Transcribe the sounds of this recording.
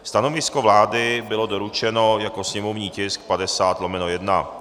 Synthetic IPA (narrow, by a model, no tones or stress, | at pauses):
st̪ano̞vɪskovlaːdɪbɪlo̞do̞ɾut͡ʃɛno̞jako̞sɲɛmo̞vɲiːcɪskpadɛsaːt̪lomɛnojɛdna̰